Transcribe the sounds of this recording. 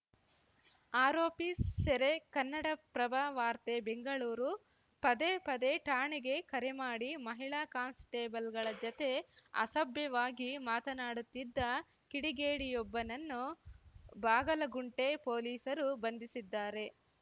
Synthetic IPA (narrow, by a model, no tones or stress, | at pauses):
aːɾoːpieɾe̞kɐnːɐɽɐpɾɐbaʋaːɾt̪e̞be̞ŋɡɐɭuːɾu | pɐd̪epɐd̪eʈaːɳiɡe̞kɐɾemaːɽimɐɦiɭaːkaːnsʈeːbɐlɡɐɭɐd͡ʒɔt̪e̞ɐ̰sɐbjɐʋaːɡimaːt̪ɐnaːɽut̪ːid̪ːɐ | kiɽiɡeːɽijɔbːɐnɐnːu | baːɡɐlɐɡuɳʈe̞po̞ːliːsɐɾubɐnd̪isid̪ːaːɾe̞